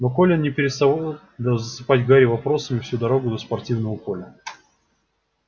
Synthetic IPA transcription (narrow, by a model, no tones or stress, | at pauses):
nokolʲɪnnʲɪpʲɪɾʲɪst̪ɐvo | d̪ɐzəsɨpatʲɡaɾʲɪvɐpɾo̞səmʲɪfsʲud̪ɐɾo̞ɡʊd̪əspɐrtʲivnəvəpo̞lʲə